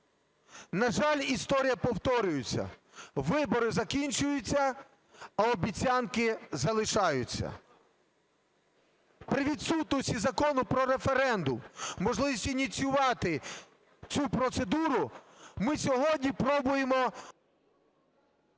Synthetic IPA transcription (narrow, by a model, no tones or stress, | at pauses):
nɐʒɑlʲist̪ɔɾʲijɐpɔwt̪ɔɾʲʊjʊt͡sʲːɐ̰ | ʋɪbɔɾɪzɐkʲinʲt͡ʃʊjʊt͡sʲːɐ | ɐɔbʲit͡sʲɑnkɪzɐlˠɪʃɑjʊt͡sʲːɐ̰ | pɾɪʋʲid̪sut̪nʊsʲizɐkɔnʊpɾɔɾefeɾɛnd̪ʊmːɔʒlˠɪʋʲisʲtʲinʲit͡sʲjʊʋɑt̪ɪ | t͡sʲupɾɔt̪sed̪uɾʊ | mɪsʲɔɦɔdʲnʲipɾɔbʊjemɔ